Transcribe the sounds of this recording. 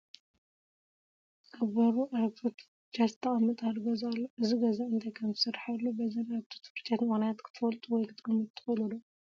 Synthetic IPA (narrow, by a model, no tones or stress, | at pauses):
ʔaβɐɾuʔat̪ʰot̪ | t͡ʃazt̪ʰɐχʼɐmɨt̪ʼalɡɐzalːʔɨziɡɐzaɨnt̪ʰɐjkʰɐmzɨsɨɾaħalːubɐzɐnaβt̪ʰu̥t̪ʰfɨɾt͡ʃʼat̪nxonajat̪kʰɨ̥t̪ʰɨfɐlt̪ʼuwɔjkʰɨt̪ʼɨɡɨmɨtt̪ʰːɨxʼɐlulo